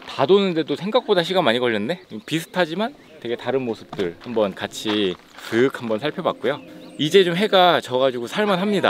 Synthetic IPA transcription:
tadonɯnde̞dosʰe̞ŋɡak̚p͈odaɕ̬ʰiɡamaɲikʌʎːʌnːe̞pisʰɯ̥tʰad͡ʑiman | te̞ɡe̞taɾɯnmosʰɯ̥p̚t͈ɯɭhambʌnkat͡ɕʰi | kɯk̚hambʌnsʰaɭpʰjʌba̰k͈̚ujoid͡ʑe̞t͡ɕomɦe̞ɡat͡ɕʌɡad͡ʑiɡosʰaɭmanɦamɲida̰

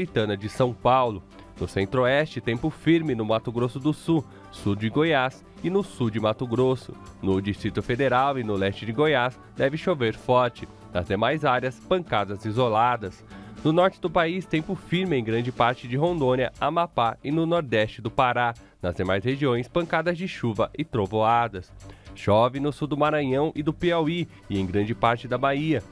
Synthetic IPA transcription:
ɾit̪ɐ̃nɐd͡ʒɪsɐ̃w̃pawlʊ | nʊsẽnt̪ɾoɛst͡ʃɪt̪ẽmpʊfiɾmɪnʊmat̪ʊɡɾosʊd̪ʊsu | sud͡ʒɪɡojas | ɪnʊsud͡ʒɪmat̪ʊɡɾosʊ̰nʊd͡ʒist̪ɾit̪ʊfed̪eɾawɪnʊlɛst͡ʃɪd͡ʒɪɡojas | d̪ɛvɪʃoveɾfɔɾt͡ʃɪ | nɐzd̪emajzaɾjɐspɐ̃ŋkad̪ɐzizolad̪ɐsnʊnɔɾt͡ʃɪd̪ʊpaist̪ẽpʊfiɾmɪẽj̃ɡɾɐ̃nd͡ʒɪpaɾt͡ʃɪd͡ʒɪɦõnd̪õniɐamapaɪnʊnoɾd̪ɛst͡ʃɪd̪ʊpaɾa | nɐzd̪emajsheʒiõj̃spɐ̃ŋkad̪ɐzd͡ʒɪʃuvɐʔɪt̪ɾovoad̪ɐsʃɔvɪnʊsud̪ʊmaɾɐ̃ɲɐ̃w̃ʔɪd̪ʊpeawi | ɪẽj̃ɡɾɐ̃nd͡ʒɪpaɾt͡ʃɪd̪ɐbaiɐ

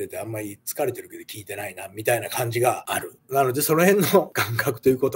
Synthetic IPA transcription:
e̞t̪e̞ãmːaɾʲit͡sɨ̥kaɾe̞t̪e̞ɾɯ̟ke̞d̪okʲiːt̪e̞nainamʲit̪ainakãɲ̟d͡ʑiɡaːɾɯ̟ | nano̞d̪e̞so̞no̞hẽ̞nːo̞ɡãŋkakɯ̟̥t̪o̞jɯ̟ːko̞t̪o

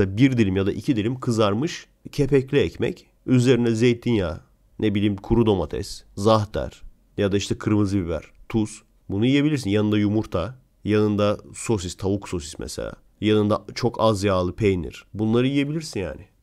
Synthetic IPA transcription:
abiɾd̪ilʲimjad̪aʔicʰid̪ilʲimkʰɯzaɾmɯʃ | cʰepɛclʲiɛcmɛ̰c | yze̞ɾinɛzejt̪̚d̪injaː | nʔebilʲiːmkʰuɾud̪o̞mat̪ʰɛ̰szaɦd̪æ̰ɾ̥ | jad̪aiʃt̪ʰɛkʰɯɾmɯzɯbivæ̰ɾ̥t̪ʰus | bunujije̞bilʲiɾsinjanɯnd̪ajumuɾt̪ʰa | janɯnd̪aso̞s̬ist̪ʰaukso̞sismʔɛ̰sḛlʲa̰ː | janɯnd̪at͡ʃʰo̞kʰazjaːlˠɯpʰejnḭɾ̥bunlˠaɾɯjije̞bilʲiɾsinja̰ːnɪ

